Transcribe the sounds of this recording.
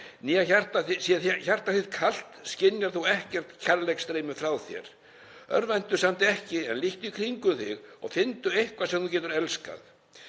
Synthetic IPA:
niːaçar̥t̪aθɪsjɛɾçar̥t̪aθɪðkʰal̥t̪scɪnjaɾ̥θuwɛhcɛr̥t̪cʰaɾlɛkst̪ɾeːjmʏfɾaːwθjɛ̰ɾ̥ | œ̰ɾvajnt̪ʏ̥samt̪ɪɛhcɪɛnliht̪ʏikʰɾiŋkʏθɪɣɔ̰ɣfɪnt̪ʏejhkvasɛmθucɛːt̪ʏɾɛlska̰ð

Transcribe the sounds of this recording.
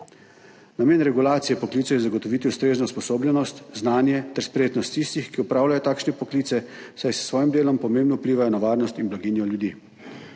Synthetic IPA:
nameːnɾɛɡulaːt̪sijɛpɔkliːt̪sɔjɛzaɡɔt̪ɔʋiːt̪iust̪ɾeːznɔuspɔsoːbljɛnɔst̪znaːnjɛt̪ɛɾspɾejeːt̪nɔst̪ːist̪ixkiupɾaːwlajɔt̪aːkʃnɛpɔkliːt̪sɛ | sajssʋɔːjimd̪eːlɔmpɔmeːmbnɔupliːʋajɔnaʋaːɾnɔst̪inblaɡinjɔljud̪iː

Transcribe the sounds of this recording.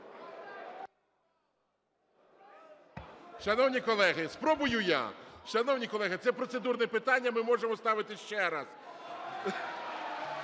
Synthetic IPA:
ʃɐnɔwnʲikɔlˠɛɦɪspɾɔbʊjʊja̰ʃɐnɔwnʲikɔlˠɛɦɪt̪sɛpɾɔt̪sed̪urnɛpɪt̪ɑnʲːɐmɪmɔʒemɔst̪ɑʋɪt̪ɪʃt͡ʃɛɾɑz̥

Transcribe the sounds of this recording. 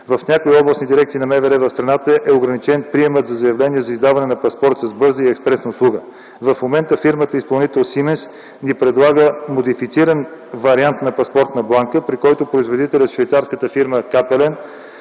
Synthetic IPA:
vɐfnʲakoiɔblˠəsnid̪iɾɛk̚t̪sinɐmɛvɛɾɛvɐfst̪ɾɐnat̪əʔɛoɡɾɐnit͡ʃɛnpɾiɛmət̪zɐzɐjɐvlɛniɛzɐizd̪avɐnɛnɐpɐspɔɾt̪səzbɤɾzəiɛkspɾɛsnəʊslˠuɡə | vɐfmomɛnt̪əfiɾmət̪əispɐlˠnit̪ɛlˠsimɛns | nipɾɛd̪lˠaɡəmod̪ifit̪siɾənvɐɾiant̪nɐpɐspɔɾt̪nɐblˠaŋkəpɾikɔjt̪opɾoizvod̪it̪ɛlʲət̪ʃvɐjt̪saɾskət̪əfiɾməkapɛlɛn

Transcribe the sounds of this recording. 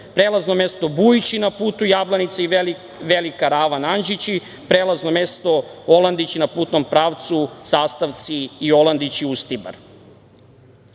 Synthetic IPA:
pɾelˠazno̞mest̪o̞bujit͡ɕinapuːt̪ujaːblanit̪sai | ʋelikaɾaːʋananʒit͡ɕi | pɾeːlˠaznomest̪o̞olˠand̪it͡ɕinapuːt̪no̞mpɾaːʋt̪susaːst̪aʋt̪siːo̞land̪it͡ɕiust̪iba̰ɾ

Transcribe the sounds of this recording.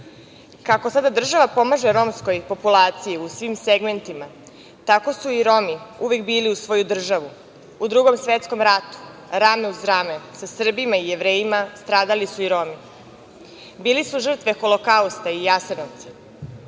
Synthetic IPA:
kako̞sad̪ad̪r̩ʒaʋapo̞maʒeɾo̞msko̞jpo̞pulˠaːt̪sijiusʋimseɡme̞nt̪ima | t̪ako̞suiɾo̞miuʋekbiːliusʋo̞ːjud̪r̩ʒaʋu | ud̪ɾuɡo̞msʋet̪sko̞mɾat̪u̥ɾame̞uzɾamesasr̩bimaije̞ʋɾe̞ːjimast̪ɾaːd̪alisuiɾo̞mi | biːlisuʒr̩t̪ʋe̞xo̞lˠokaust̪aijasenoʋt̪si̥

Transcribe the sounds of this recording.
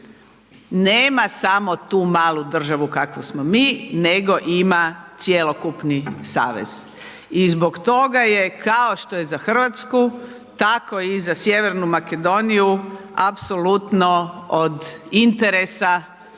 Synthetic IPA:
neːmasamot̪uːmaːlˠud̪r̩ʒaʋukakʋosmomiːneɡo̞ʔimat̪sjelokupnisa̰ːʋḛz̥ | izbo̞kt̪o̞ɡaje̞kʰaoʃt̪o̞jezaxr̩ʋat̪sku | t̪ako̞izasjeʋe̞ɾnumake̞d̪o̞nijuapsolut̪nood̪int̪eɾesa

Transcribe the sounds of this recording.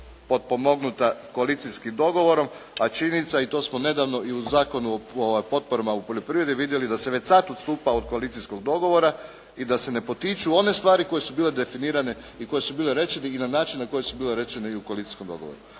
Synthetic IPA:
po̞t̪̚pomo̞ɡnut̪ako̞alit̪siskimd̪o̞ɡo̞ʋo̞ɾo̞mat͡ʃinit̪sait̪o̞smone̞d̪aʋno̞ʔiuzaːko̞nuooʋajpo̞t̪̚poɾamaupo̞ʎʲo̞pɾiʋɾe̞d̪jiʋid̪je̞lid̪aseʋet͡ɕsat̪ot̪st̪uːpaod̪̚koalit̪sisko̞ɡd̪o̞ɡo̞ʋo̞ɾa | id̪ase̞ne̞po̞t̪it͡ʃuo̞ne̞st̪ʋaːɾiko̞je̞subiːle̞d̪e̞finiːɾane | iko̞je̞subiːle̞ɾe̞t͡ʃeniinanaːt͡ʃinːako̞jesubiːle̞ɾe̞t͡ʃeneiuko̞alit̪i̥sko̞md̪o̞ɡo̞̰ʋo̰ɾu

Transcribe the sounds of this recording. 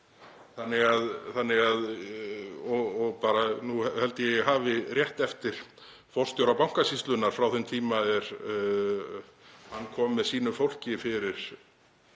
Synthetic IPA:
θanːɪɣaðθanːɪɣað | ɔɔɣpaːɾanuɛhɛlt̪ɪjɛɛɣɦaːvɪrjɛht̪ɛft̪ɪɾ̥ | fɔr̥st̪jowɾapawŋ̥kasist̪lʏnːaɾ̥fɾawθʏnt̪ʰiːmaɛɾ̥ | hanːkʰɔːmvɛðsiːnʏfowl̥cɪfɪɾɪɾ̥

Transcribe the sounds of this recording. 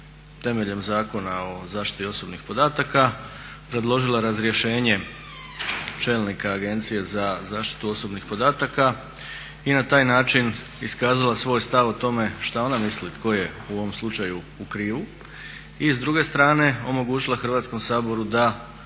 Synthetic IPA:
t̪e̞me̞ʎe̞mzaːko̞nao̞zaːʃt̪i̥t̪io̞so̞bnixpo̞d̪aːt̪aka | pɾe̞d̪lˠo̞ʒilˠaɾazɾjeʃe̞ːɲe̞ | t͡ʃe̞lnikaːɡe̞nt̪sije̞zazaːʃt̪i̥t̪uo̞so̞bnixpo̞d̪aːt̪aka | inat̪aːjnaːt͡ʃin | iskaːzalasʋo̞ːjst̪aʋot̪o̞me̞ʃt̪ao̞namislit̪ko̞je̞uo̞ʋo̞mslˠut͡ʃaju | ukɾiːʋu | izd̪ɾuɡe̞st̪ɾaːne̞o̞mo̞ɡuːt͡ʃilˠaxr̩ʋaːt̪sko̞msaːbo̞ɾud̪a

